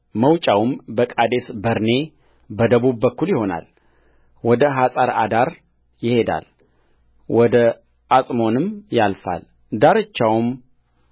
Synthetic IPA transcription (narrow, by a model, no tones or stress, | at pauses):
məwt͡ʃʼawmbəkʼad̪esbəɾne̞ | bəd̪əβubːəkːuljɪho̞na̰l | wɔd̪əɦasʼaɾad̪aɾ | jɪhe̞d̪a̰l | wɔd̪ə | asʼmo̞nɨmjalfa̰l | d̪aɾɨt͡ʃːawm